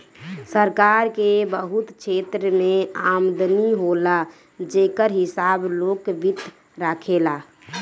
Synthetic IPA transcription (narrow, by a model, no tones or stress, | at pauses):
səɾkaɾkebəɦut̪t͡ʃʰeːt̪ɾəmẽaːmd̪əniɦola | d͡ʒekəɾɦɪsaːbloːkʋɪt̪ | ɾakʰela